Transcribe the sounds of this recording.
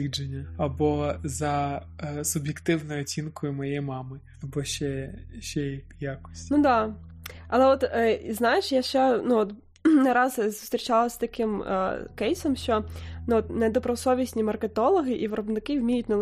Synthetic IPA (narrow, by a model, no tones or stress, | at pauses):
id͡ʒenʲːɐɐbɔzɐ | sʊbʲjekt̪ɪwnɔjʊɔt͡sʲinkʊjʊmɐjɛjmɑmɪ | ɐbɔʃɛʃɛj | jakɔ̥sʲtʲnud̪ɑ | ɐlˠɛɔt̪iznɑjeʃjaʃt͡ʃɛnuɔt̪ | nɐɾɑzzʊ̥st̪ɾʲit͡ʃɑlˠɐsʲt̪ɐkɪm̰kɛjsɔmʃt͡ʃɔnɔt̪ned̪ɔpɾɔsɔʋʲisʲnʲimɐrket̪ɔlˠɔɦɪʔiʋɪɾɔbnɪkɪwmʲijʊtʲnɛ